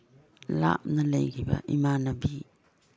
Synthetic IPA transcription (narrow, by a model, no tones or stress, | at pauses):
la̰p̚nɐlɐjkʰibɐ̰ʔimanɐbi